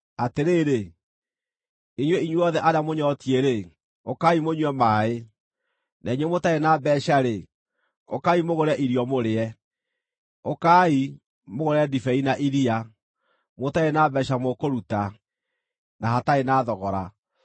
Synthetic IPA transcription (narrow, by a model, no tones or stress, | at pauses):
ateɾeːɾe | eɲwɛiɲweɔðɛʔaɾamoɲɔtieɾe | okaimoɲwɛmaːe | naiɲwɛmotaenaːbɛɕaɾe | o̰kaimoɣoɾɛʔiɾiɔmoɾeɛ | okai | moɣoɾɛdifɛinaʔiɾia | motaenaːbɛʃamokoɾuta | nahataenaːðɔɣɔɾa